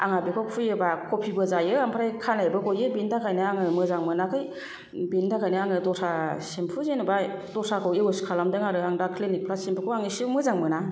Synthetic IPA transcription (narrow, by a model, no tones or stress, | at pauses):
a̰ŋabikʰɔpʰujɯbakʰopʰibɯzajɯaŋpʰɾajkʰanajbɯɡojɯbintʰakʰajnɯaŋɯmɯzaŋmɯnakʰɯj | bintʰakʰajnɯaŋɯdɔsʰasempʰuzenɯba | dɔsʰakʰɔweoskʰalamdɯŋaɾɯaŋdakʰlenik̚pʰɾasempʰukʰɔaŋisɯmɯzaŋmɯna